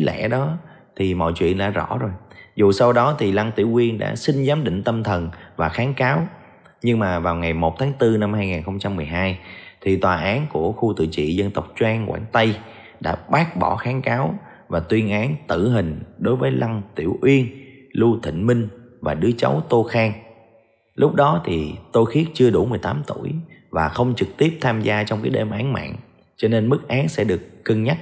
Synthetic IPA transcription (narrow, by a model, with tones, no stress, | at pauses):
lɛ̰˧˥ɗɔ˨˦ | t̪ʰi˨˩mɔ̰˧˨jt͡ɕwḭ˧˨ənɗa̰ː˧˥zɔ̰˧˩zo˨˩jzu˨˩sa˧wɗɔ˨˦t̪ʰi˨˩la˧ŋt̪ḭ˧˩əwʔwi˧ənɗa̰ː˧˥sï˧ŋ̟zaː˨˦mɗḭ̈˧˨ŋ̟t̪ə˧mt̪ʰə˨˩nvaː˨˩xaː˨˦nkaː˨˦w | ɲɨ˧ŋmaː˨˩vaː˨˩wŋa˨˩jmo˨˩t̚t̪ʰaː˨˦ŋt̪ɨ˧na˧mhaː˧jŋaː˨˩nxə˧wŋ͡mt͡ɕa˧mːɨ˨˩əjɦaː˧jt̪ʰi˨˩t̪waː˨˩ʔaː˨˦nku˧˩əxu˧t̪ɨ̰˧˨t͡ɕḭ˧˨zə˧nt̪ə˨˩wk͡p̚t͡ɕwaː˧ŋkwaː˧˩ŋt̪ə˧j | ɗa̰ː˧˥ɓaː˦˥k̚ɓɔ˧˩xaː˨˦nkaː˨˦w | vaː˨˩t̪wi˧ənʔaː˨˦nt̪ɨ̰˧˨ɦï˨˩ŋ̟ɗo˨˦jvəː˨˦jlʔa˧ŋt̪i˧˩əwʔwi˧ənlu˧t̪ʰï˧˨ŋ̟mï˧ŋ̟vaː˨˩ɗɨ˨˦ət͡ɕə˨˦wt̪o˧xaː˧ŋ | lʊ˦˥k͡p̚ɗɔ˨˦t̪ʰi˨˩t̪o˧jxi˦˥ət̚t͡ɕɨ˧əɗu˧˩mɨ˨˩əjt̪aː˨˦mt̪u˧˩jvaː˨˩xə˧wŋ͡mt͡ɕɨ˨˩k̚t̪i˦˥əp̚t̪ʰaː˧mzaː˧t͡ɕɔ˧wŋ͡mkaː˨˦jɗe˧mʔaː˨˦nma̰ː˧˨n | t͡ɕɔ˧ne˧nmɨ˦˥k̚ʔaː˨˦nsɛ̰˧˥ɗɨ˨˩əkːə˧ŋɲa˦˥t̚